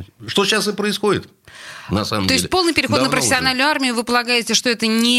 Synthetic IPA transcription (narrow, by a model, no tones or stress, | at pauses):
ʂt̪oɕːasɨpɾəɪsxodʲɪ̰t̪ | nɐsaməmt̪ʲo̞ɪs̚ʲpo̞lˠnɨjpʲɪɾʲɪxonəpɾəfʲɪsʲɪɐnalʲnʲʊarmʲɪjʊvɨpəlˠɐɡajɪtʲɪʂt̪o̞ɛt̪ənʲɪ